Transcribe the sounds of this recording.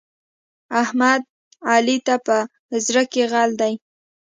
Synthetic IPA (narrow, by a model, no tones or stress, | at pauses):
ahmad̪̚ | ɑlit̪apə | zɾəkeɣɑld̪aj